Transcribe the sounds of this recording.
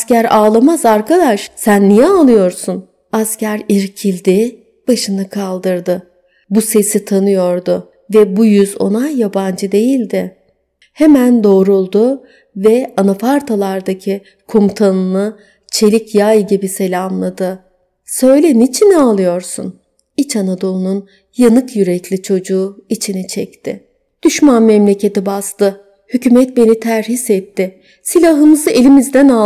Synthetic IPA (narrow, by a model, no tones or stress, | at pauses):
scæɾaːlˠamazaɾkad̪aʃsænːijɛalˠɯjo̞ɾsun | ascæɾiɾcʰilʲd̪ɪ | b̥aʃɯnɯkʰalˠd̪ɯɾd̪ɯ | buse̞sit̪ʰanɯjo̞ɾd̪ʊ | vɛbujyzo̞̰najːaband͡ʒɯd̪e̞jilʲd̪ɪ | hemænd̪o̞ːɾulˠd̪ʊ | vɛanafaɾt̪ʰalˠaɾd̪acʰi | kʰomut̪ʰanɯnˠɯ | t͡ʃʰe̞lʲicjajiɟibise̞lʲaanlˠad̪ɯ | sø̞jlʲɛnit͡ʃʰinalˠɯjo̞ɾsṵn | it͡ʃʰanad̪o̞lˠunun | janɯkjyɾɛclʲit͡ʃʰo̞d͡ʒuːit͡ʃʰinit͡ʃʰɛct̪ʰɪ̰ | d̪̥yʃmanmɛmlʲe̞cʰe̞t̪ibast̪ɯ | hycyːmɛt̪̚be̞nit̪ʰæɾɦisɛt̪ːɪ | silʲaɦɯmɯzɯe̞lʲimizd̪æna